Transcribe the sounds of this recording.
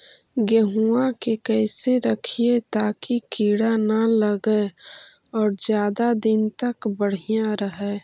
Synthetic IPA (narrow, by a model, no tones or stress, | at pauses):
ɡəɦuakekɛɪseɾəkʰiet̪aːkikiːɽanaləɡɛ | ɔːɾd͡ʒjaːd̪ad̪ɪnt̪əkbəɽ̤ijãɾəɦɛ